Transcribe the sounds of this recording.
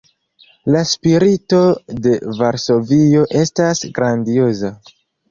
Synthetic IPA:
laspiɾito̞de̞vaɾso̞vio̞ʔe̞stasɡɾandio̞za

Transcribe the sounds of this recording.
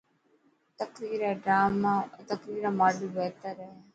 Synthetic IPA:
t̪əkɾiːɾɛːɖɾaːmat̪əkɾiːɾaːmaːɖiːbɛːt̪əɾɛː

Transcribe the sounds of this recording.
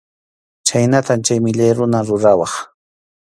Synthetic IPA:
t͡ʃajnat̪amt͡ʃajmɪʎajɾʊnaɾʊɾawɑχ

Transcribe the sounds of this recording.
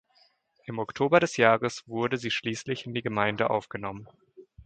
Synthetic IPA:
ʔɪmɔktʰoːbɐɾɛsjaːʁəsv̥ʊɐdəziːʃliːslɪçɪndiːɡəmaɪndəʔa̰ʊfɡ̥ənɔmən

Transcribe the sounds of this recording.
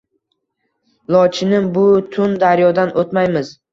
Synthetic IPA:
lˠɒt͡ʃʰɪnɪmbʊt̪ʰʊnd̪aɾjɒd̪anʔot̪majmɪz̥

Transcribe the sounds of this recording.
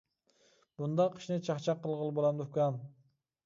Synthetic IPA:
b̥und̪ɑqʰːə̥ʃnɨt͡ʃʰɑχt͡ʃʰɑqːəlˠʁəlˠbolˠɑmd̪ukɑn

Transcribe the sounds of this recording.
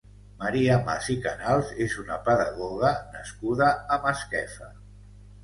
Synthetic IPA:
maɾiama̰zikanalˠzezunəpəðaɣɔɣənəskuðəːməskɛfə

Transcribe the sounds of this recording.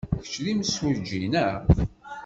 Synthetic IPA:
çə̥t͡ʃːlimswud͡ʒinæ

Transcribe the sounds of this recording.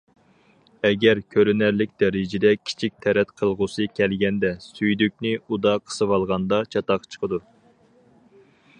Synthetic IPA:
ɛɡʲɛɾkʲʰøɾynæɾlɪk̚ʲd̪ɛɾɪd͡ʒɪd̪ɛkʲʰi̥t͡ʃʰik̚ʲt̪ʰɛɾɛt̪qʰəlˠʁʊsɨkʲʰɛlɡʲɛnd̪ɛsyjd̪yk̚ʲnɪud̪ɑqʰə̥sɨwɑlˠʁɑnd̪ɑt͡ʃʰɑt̪ɑqt͡ʃʰə̥qʰəd̪u

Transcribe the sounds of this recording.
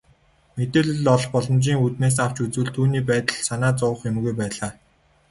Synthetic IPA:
met̪eːɮɵ̆ɮɔɮχpɔɮɞ̆mt͡ɕiːŋut̪meːs̬aw̥t͡ɕut͡sŭːɮt̪ʰuːniːp̬æːt̪ə̆ɮsanaːt͡sʊːχjʊmɣujpæːɮaː

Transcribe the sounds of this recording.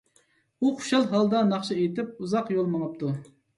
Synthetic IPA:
uqʰʊ̥ʃɑlˠɦɑlˠd̪ɑnɑχʃɑet̪ɪp̚uzɑqjolˠmɑŋɑp̚t̪ʰu

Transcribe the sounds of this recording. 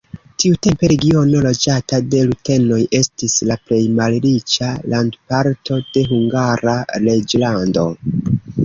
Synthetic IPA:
tiute̞mpe̞ɾe̞ɡio̞no̞lo̞d͡ʒatade̞lute̞no̞je̞stislaple̞jmalɾit͡ʃalandpaɾtʰo̞d̥e̞ɦuŋɡaɾaɾe̞d͡ʒlando̞̰

